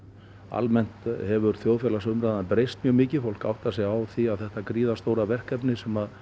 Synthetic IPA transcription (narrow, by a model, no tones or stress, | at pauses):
a̰lmɛn̥t̪hɛvʏɾθjoːwfjɛlasʏmɾaðanpɾejst̪̚mjœːɣmɪːcɪfowl̥ka̰wht̪asɛɣawθiaðθɛht̪akɾiːðast̪oːwɾavɛr̥kɛpnɪsɛmað